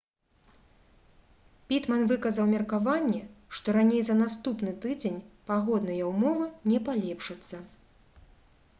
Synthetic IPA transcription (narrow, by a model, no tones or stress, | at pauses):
pʲit̪mɐnvɨkɐzɐwmʲɛrkavanʲːɛʂt̪ɔɾanʲejzɐnast̪upn̪ɨt̪ɨd͡zʲenʲpaɣɔd̪nɐjɐwmɔvɨnʲɛpalʲɛpʂɐt̪sːɐ